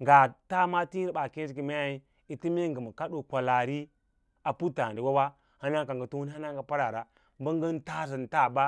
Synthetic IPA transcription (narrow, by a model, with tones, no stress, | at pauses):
ŋɡa˨ta˦ma˦ti˦ɾɓa˨ke˦si˦ki˨ma˦ja˨i˦ | i˨ti˦mi˦ŋɡə˨ma˨ka˦ɗo˨kʷa˨la˨ɾi˦ | a˨pu˦ta˨di˨wa˦wa˦ | ha˦na˦ŋka˨ŋ˨ɡa˨˦to˦hu˦n˦a˦na˦ŋɡa˨pa˦ɾa˨ɾa˨ | ba˦ŋ˦ɡə˦n˦ta˦zi˨n˨ta˦˨ba˦